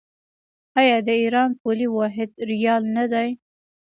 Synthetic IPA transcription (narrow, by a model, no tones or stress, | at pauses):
ɑjɑd̪əiɾɑnpoliwɑɦɪd̪ɾijɑlnad̪aj